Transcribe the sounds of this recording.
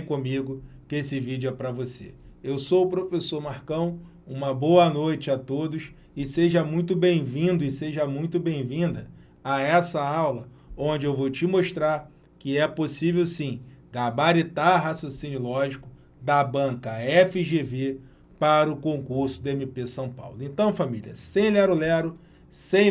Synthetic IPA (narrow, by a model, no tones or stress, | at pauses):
kõmiɡʊkesɪvid͡ʒʊɛpɾɐvosḛewsowʊpɾofesoɾmaɾkɐ̃w̃ | ũmɐbowɐnojt͡ʃɪat̪od̪ʊʃ | ɪseʒɐmũj̃t̪ʊbẽj̃vĩd̪ʊɪseʒɐmũj̃t̪ʊbẽj̃vĩd̪ɐ | aɛsɐawlɐ | õd͡ʒɪewvowt͡ʃɪmoʃt̪ɾaɾ | kɪɛposivewsĩɡabaɾit̪aɦasjosĩnjʊlɔʒikʊ | d̪ɐbɐ̃kɐɛfɪʒeve | paɾɐʊkõkuɾsʊd̪ẽmipesɐ̃w̃pa̰wlʊẽnt̪ɐ̃w̃familʲiɐ̰sẽj̃lɛɾʊlɛɾʊ | sẽ